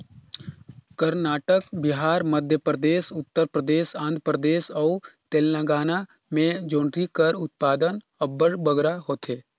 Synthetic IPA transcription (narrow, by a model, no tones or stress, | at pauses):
kəɾnaːʈəkbɪɦaːɾməd̪ʱjəpɾəd̪eːsʊt̪ːəɾpɾəd̪eːsãːnd̪ʱəpɾəd̪eːsɔːt̪eːllãɡaːna | mẽd͡ʒõːɳɖɾikəɾʊt̪̚paːd̪ən | əbːəɽbəɡɾaɦoːt̪ʰeː